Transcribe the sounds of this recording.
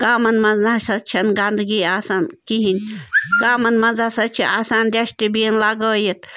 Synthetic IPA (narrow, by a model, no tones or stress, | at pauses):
ɡ̥aːmɐnmɐzasɐt͡ʃʰɐnɡand̪ɡiːaːsaːnkiɦinʲɡaːmɐnmɐzaːsɐt͡ʃʰiʔaːsaːnd̪eʃt̪ibinlaɡəːjit̪